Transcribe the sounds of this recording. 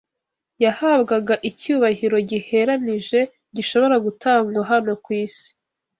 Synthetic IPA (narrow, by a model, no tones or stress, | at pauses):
jahabɡaɡaʔicuːβahiɾo̞ɟihe̞ɾaniʒe̞ | ɟiʃo̞βo̞ɾaɡutʰaːŋɡwaɦano̞kwiːsi̥